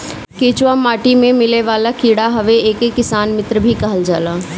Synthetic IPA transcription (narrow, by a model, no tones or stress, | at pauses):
keːt͡ʃwamaːʈimẽmɪleʋaːlakiːɽaɦɐʋeeːkekːɪsaːnmɪt̪ɾəbʱikɐɦəld͡ʒaːlaː